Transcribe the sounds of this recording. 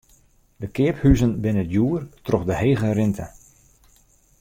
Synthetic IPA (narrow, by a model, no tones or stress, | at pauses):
dəkɪəphyzənbɪnətjuərtrɔχdəheːɣərɪntʰə